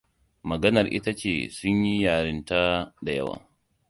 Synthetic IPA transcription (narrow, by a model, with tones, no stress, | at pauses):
mɐ˨ɡɐ˦nɐ˨rʔɪ̰˦ta˦t͡ʃḛː˨sʊ˦ɲji˦jaː˨ɽɪ˦nta˦da˨jɐ˦wa̰ː˨